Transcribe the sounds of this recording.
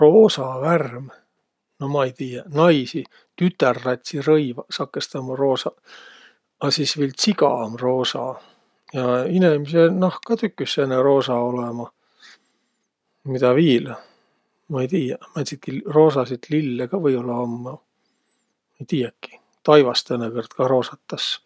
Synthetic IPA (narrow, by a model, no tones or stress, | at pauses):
roːsɑværm | nomɑejt̪iːjɑnɑjsi | t̪yt̪ːˑærːɑt̪ʲsirɤjvɑsɑkːest̪ɑmɑro̞ːsɑ | ɑsiːsvilsikɑ̰mro̞ːsɑ̰ | jɑinemisenɑhkɑt̪ykːˑysːenːero̞ːsɑo̞lemɑ | mit̪ɑviːl | mɑejt̪iːjɑmæt̪sit̪̚kiroːsɑsit̪lilːeɡ̥ɑvɤjo̞lːɑɑmːɑ | mɑejt̪iːjɑkːi̥ | t̪ɑjvɑst̪ɤnːekort̪kɑro̞ːsɑt̪ːɑs